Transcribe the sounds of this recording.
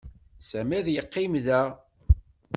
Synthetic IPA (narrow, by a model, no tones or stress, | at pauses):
sæmæðjəqːɪmðæ